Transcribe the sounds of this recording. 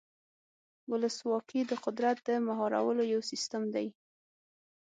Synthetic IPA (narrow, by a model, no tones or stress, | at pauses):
wʊləswɑqid̪əqʊd̪ɾat̪̚d̪əmaɦɑɾa̰wəlojawsist̪əmd̪aj